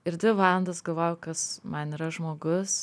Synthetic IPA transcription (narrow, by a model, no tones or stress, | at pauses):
ɪɾd̪ʲʋʲɪʋɑːlˠɐnd̪ɐsɡɐlˠʋɐjkɐsmɐniːɾɐʒmoːɡʊs